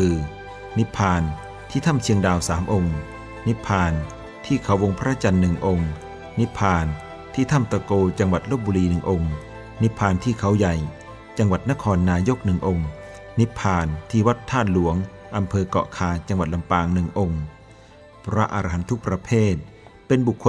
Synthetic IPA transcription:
kɯː˧ | ni˦˥pʰːaː˧n | t̪ʰiː˥˩t̪ʰa˥˩mt͡ɕʰi˧əŋdaː˧wsaː˩˦mʔo˧ŋ | ni˦˥pʰːaː˧n | t̪ʰiː˥˩kʰa˨˩˦wo˧ŋpʰɾa˦˥t͡ɕa˧nːɯ˨˩ŋʔo˧ŋ | ni˦˥pʰːaː˧n | t̪ʰiː˥˩t̪ʰa˥˩mt̪a˧koː˧t͡ɕa˧ŋwa˨˩t̪̚loː˥˩p̚buː˧ɾiː˧nɯ˨˩ŋʔo˧ŋ | ni˦˥pʰːaː˧nt̪ʰiː˥˩kʰa˩˦wja˨˩j | t͡ɕa˧ŋwa˨˩t̪̚na˦˥kʰɔː˧nːaː˧jo˦˥k̚nɯ˨˩ŋʔo˧ŋ | ni˦˥pʰaː˧nt̪ʰiː˥˩wa˦˥t̪ʰːaː˥˩t̪̚lu˨˩˦əŋʔa˧mpʰɤː˧kɔ̰ː˨˩ʔkʰaː˧t͡ɕa˧ŋwa˨˩t̪̚la˧mpaː˧ŋnɯ˨˩ŋʔo˧ŋ | pʰɾa˦˥ʔa˧ɾa˧ɦa˩˦nt̪ʰu˦˥k̚pɾa˧pʰeː˥˩t̪̚ | pe˧nbu˨˩kʰːo˧

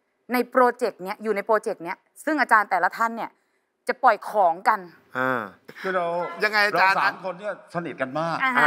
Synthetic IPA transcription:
na˧jpɾoː˧t͡ɕe˨˩k̚ni˦˥ɐjuː˨˩na˧jpɾoː˧t͡ɕe˨˩k̚ni˦˥ɐ | sɯ˥˩ŋʔaː˧t͡ɕaː˧nt̪ɛː˨˩la˦˧˥t̪ʰa˥˩nːi˥˩ɐ | t͡ɕa˨˩pɔ˨˩jkʰɔː˩˦ŋka˧n | ʔɤː˧˩kʰɯː˧˥˩ɾa˧wja˧ŋa˧jʔa˧ɾat͡ɕaː˧nsaːa˦mkʰo˧nːi˥˩ɐsa˧ni˨˩t̪̚ka˧nmaː˥˩k̚a˧

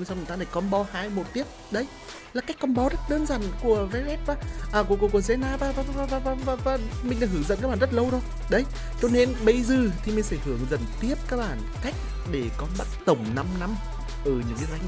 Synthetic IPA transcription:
sa˧wɨ˨˩t̪aː˧ɗa˧˩jkɔ˨˦nɓɔ˧˦haː˧jmo˨˩t̚t̪i˦˥əp̚ɗə˧˦j | laː˨˩ka˦˥jk̟kːɔ˨˧˦nɓɔ˨˦zə˦˥t̚ɗəː˧nzaː˧˨˩nku˧˩əvɛ˨˧˦lɛ˦˥p̚vaː˨˩ʔəː˨˩ku˧˩əku˧˩ku˧˩əze˧˦naː˧vaː˨˩vaː˧˩va˧vaː˧˩vaː˧˩vaː˨˧vaː˧˩vaː˨˧˩mi˨ŋ̟ɗaː˧˩hɨ˧˩ŋzə̰˧˨nkaː˦˥ɓaː˨˩zt̚lə˧wɗo˧˦j | ɗə˨˦j | t͡ɕɔ˧ne˧nɓə˧jzɨː˨˩t̪ʰi˨˩mï̟˨˩fɛ˧˩hɨ˧˩əŋzə̰˧˨˩nt̪i˦˥əp̚kaː˦˥k̚ɓaː˧˩nka˦˥jk̟̚ | ɗe˧˩kɔ˨˦nɓa˦˥t̚t̪ə˨˧˩wŋ͡mna˧mna˧m | ʔəː˧˩ɲɨ̰˧˥ŋkə˨˦za˧jŋ

